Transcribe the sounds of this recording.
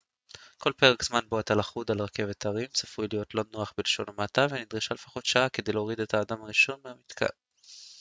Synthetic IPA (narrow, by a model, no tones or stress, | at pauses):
ko̞lpe̞ʁekz̥manboat̪alaχudalʁake̞vetaʁimt͡sḁfujlijo̞tlo̞noaχbileʃo̞̰namataveanid̪ʁiʃale̞fḁχo̞tʃaakedejleoʁide̞thaːdamaʁiʃo̞nmeamit̪kʰa̰